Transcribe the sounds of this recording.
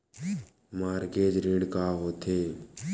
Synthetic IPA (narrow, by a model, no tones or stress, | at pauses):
maːɾɡeːd͡ʒɾeːɽkaːɦoːt̪ʰeː